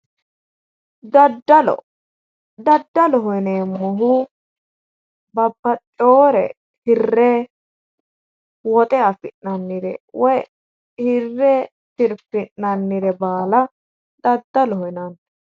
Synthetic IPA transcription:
d̪ɐd̪ɐɔ̰ | d̪ɐd̪ːɐlɔɦɔneːmːɔɦʊ | bɐbːɐt͡ʃʼoːɾɛ̰ | hɪrːɛ | wɔt̪ʼɛɐfɪnːɐnːɪɾɛ̰wɔj | hɪrːɛ | sɪɾfɪʔːɐnːɪɾɛbaːlɐ | d̪ɐd̪ːɐlɔhɔnɐn

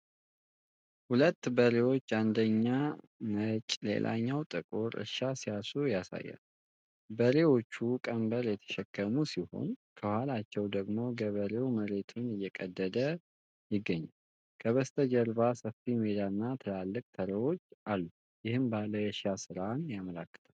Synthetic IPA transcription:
hulət̪ːbəɾewo̞t͡ʃːand̪əɲːa | mət͡ʃʼlḛlʔa̰ɲːawt̪ʼɨkʼuɾɨ̰ʃasijasujasa̰jːa̰n | bəɾe̞wo̞t͡ʃːukʼəmbəɾjɛt̪ʰə̥ʃɛkːəmusiho̞̰nkʰəhwhalat͡ʃːɛwd̪əɡmo̞ɡəβəɾewməɾe̞t̪ʰunɨjːɛkʼəd̪ːəd̪ə | jɪɡːəɲːal | kʰəβəst̪ʰəd͡ʒəɾbasəfimed̪aɨnːat̪ʰəlalːɨkʼt̪ʰəɾewot͡ʃːalːu | jɪhɨmbaləjɛʃasɨɾanjaməlakːɨ̥t̪ʰaw

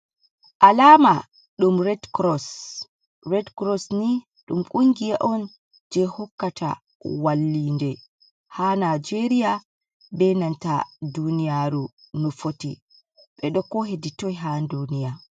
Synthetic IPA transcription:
ʔalaːma | ɗumɾɛdkɾɔs | ɾɛdkɾɔsni | ɗumkʼuŋɡijaʔɔn | d͡ʒɛhɔkːatʰa̰ | walːiːndɛ | hanad͡ʒeɾija | bɛnantadunijaɾu | nɔfotḭ | ɓɛɗɔkːɔɦeditɔjɦandunija

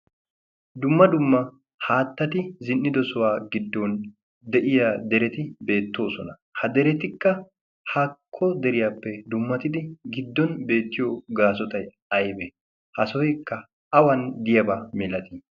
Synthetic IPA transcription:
d̪ʊmːɐd̪ʊmːɐ | haːt̪ːɐt̪ɪzɪnːɪd̪ɔsɔwaːɡɪd̪ːɔn | d̪ɛʔɪjad̪ɛɾɛt̪ɪbe̞ːt̪ːo̞ːsɔnɐ | hɐd̪ɛɾɛt̪ɪkːɐ | hɐkʰːɔd̪ɛɾɪjaːpːɛd̪ʊmːɐt̪ɪd̪ɪɡɪd̪ːɔnbe̞ːt̪ːɪjoɡaːsɔt̪ɐj | ɐjbɛ | hɐsɔjɛkːɐ | ɐwɐnd̪ɪjɐbamɛlɐt̪i

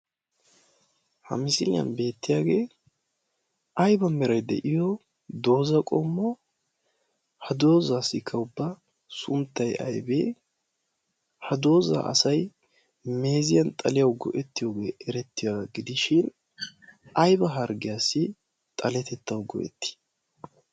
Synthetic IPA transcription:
hɐ̰mɪsɪlɪjɐ̰nbe̞ːt̪ːɪjaːɡeː | ʔɐjbɐmɛɾɐjd̪ɛ̰ʔɪjɔ | d̪o̞ːzɐkʼɔmːɔ | hɐd̪o̞ːzaːsɪkʰːɐʊbːɐ | sʊmt̪ːɐjɐ̰jbeː | hɐd̪o̞ːzɐ̰ʔɐ̰sɐj | me̞ːzɪjɐnt̪ʼɐlɪjɐwɡɔ̰ʔɛt̪ːɪjoːɡe̞ːʔɛɾɛt̪ːɪjaɡɪd̪ɪʃɪn | ɐjbɐɦɐɾɡɪjasːɪ | t̪ʼɐlɛt̪ɛt̪ːɐwɡɔ̰ʔɛ̰t̪ːɪ̥

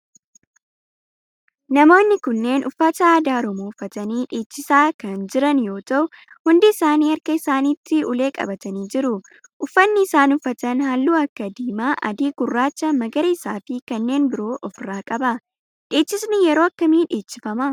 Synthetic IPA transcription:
nɐmo̞ːnːɪkʊnːe̞ːnʔʊfːɐt̪ɐaːd̪aːɔɾɔmoːʊfːɐt̪ɐniːᶑeːt͡ʃːɪsaːkɐnd͡ʒɪɾɐnjo̞ːt̪ɐʔʊ | hʊnd̪ɪːsaːniːɐɾkɐɪsaːniːt̪ʰːɪʊle̞ːkʼɐ̰bɐt̪ɐniːd͡ʒɪɾʊ | ʔʊfːɐnːɪːsaːnʊfːɐt̪ɐnhaːlːuːɐkːɐd̪iːmaːʔɐ̰d̪iːɡʊrːaːt͡ʃːɐmɐɡɐɾɐɪsaːfɪkɐnːe̞ːnbɪɾo̞ːʔɔfɪraːkʼɐbɐ | ᶑeːt͡ʃːɪsnɪjɛɾo̞ːɐkːɐmiːᶑeːt͡ʃːɪfɐmɐ

